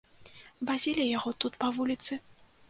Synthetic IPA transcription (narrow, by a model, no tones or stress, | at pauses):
bazʲilʲijaɣɔt̪ut̪pɐvulʲit̪sɨ